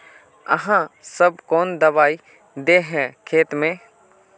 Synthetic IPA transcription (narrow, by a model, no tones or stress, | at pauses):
ə̰ɦãsəbkɔːnd̪ɐbaːi | d̪eːɦɛ̃kʰeːt̪mẽː